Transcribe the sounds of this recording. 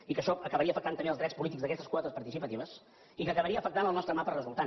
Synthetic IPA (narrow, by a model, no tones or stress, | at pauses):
ikəʃɔəkəβəɾiəfəkt̪ant̪əmbeəlˠðɾɛspulit̪ikzðəkɛst̪əskwɔt̪əspəɾt̪isipət̪iβəs | ikəkəβəɾiəfək̚t̪anəlˠnɔst̪ɾəmapərrəzulˠt̪a